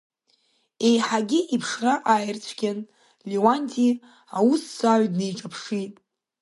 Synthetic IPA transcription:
e̞jħaɡʲɪʔipʰʂraʔajɪrt͡ɕʷʰɡʲan | liwanʲtʲʰʼi | awusːaʕʷdnejʈ͡ʂʼapʰʂitʼ

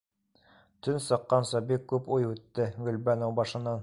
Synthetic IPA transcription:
t̪ɵnsɤ̆qːɑnsɑbikːʉpujʉt̪ːɘɡɵ̆lbænowbɑʃɤ̆nɑn

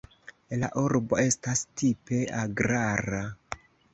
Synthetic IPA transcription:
laʔuɾbo̞e̞stastipe̞aɡɾaɾa

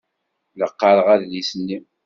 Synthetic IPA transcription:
ləqːɑɾəʁæððisənːim

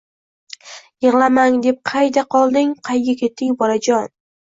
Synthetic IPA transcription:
jɨʁlˠamaŋd̪e̞p̚qʰɑjd̪aqʰɒlˠd̪ɪŋqʰɑjɡʲakʲʰe̞t̪ːɪŋbɒlad͡ʒɒn

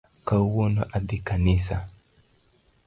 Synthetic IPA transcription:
kawɔnaʔad̪ikanisa

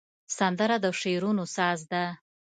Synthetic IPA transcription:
sand̪əɾad̪əʂeɾunosɑzd̪a

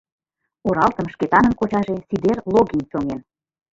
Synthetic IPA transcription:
oɾɑlt̪əmʃket̪ɑnə̆nkot͡ɕɑʒesid̪erloɡinʲt͡ɕoŋen

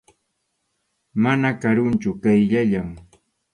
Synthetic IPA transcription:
manakaɾʊnt͡ʃʊkajʎaʎaŋ

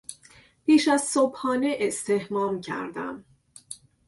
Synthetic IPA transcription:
piːʃæzsobhɒːneʔest̪ʰe̞hmɒːmcʰæ̰ɾd̪æ̰m

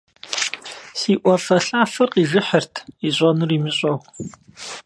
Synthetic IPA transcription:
siːʔʷɔfɐɬaːfɐrqiːʒɪħərtʰiɕʷʼɔnɨriːmɨɕʼɔw

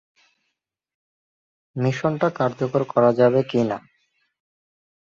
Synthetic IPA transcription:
miʃonʈakaɾd͡ʑokoɾkɔɾad͡ʑabekina̰

